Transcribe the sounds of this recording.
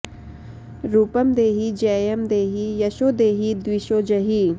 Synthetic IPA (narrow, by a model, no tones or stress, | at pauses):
ɾuːpɐmd̪eːɦid͡ʒɛːjɐmd̪eːɦijɐʃoːd̪eːɦid̪wiʃoːd͡ʒɐɦi